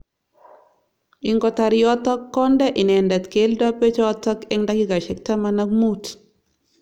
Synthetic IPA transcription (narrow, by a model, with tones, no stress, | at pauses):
ɪ˨ŋɡɔ˨ta˨ɾjɔ˦tɔ˦kːɔ˦ndɛ˦ʔɪ˨nɛ˨nda˨tke˦ldɔ˦pɛ˦t͡ʃɔ˦tɔ˦kɛ˦ŋda˦ki˦ɡa˨ʃɛ˨k̚ta˦ma˦na˦kmu˦t